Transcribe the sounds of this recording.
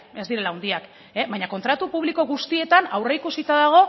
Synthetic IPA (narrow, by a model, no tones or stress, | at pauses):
e̞zd̪iɾe̞laund̪iak | eβajɲako̞nt̪ɾat̪upuβ̞liko̞ɣust̪ie̞t̪anawreikusit̪aðaɣ̞o̞